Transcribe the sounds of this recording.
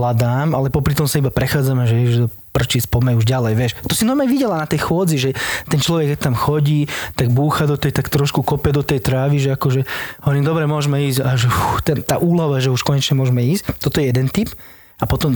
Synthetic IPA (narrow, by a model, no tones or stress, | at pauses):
lad̪aːma̰lɛpɔpɾit̪ɔmsaibapɾɛxaːd͡zamɛʒɛjɛʒd̪ɔ | prt͡ʃispɔmɛuʒɟalɛjʋɪɛʃt̪ɔsinɔjmaʋiɟɛlanat̪ɛjxʊɔd͡ziʒɛt̪ɛnt͡ʃlɔʋɛkːɛc̚t̪amxɔɟiːt̪aɡbuːxad̪ɔt̪ɛjt̪akt̪ɾɔʃkukɔpɛd̪ɔt̪ɛjt̪ɾaːʋiʒɛakɔʒɛɔɲid̪ɔbɾɛmʊɔʒmɛiːzɟaʒɛfut̪ɛnt̪a̰ːʔuːlɔʋaʒɛuʃkɔɲɛt͡ʃɲɛmʊɔʒmɛiːsct̪ɔt̪ɔjɛjɛd̪ɛnt̪ip | apɔt̪ɔm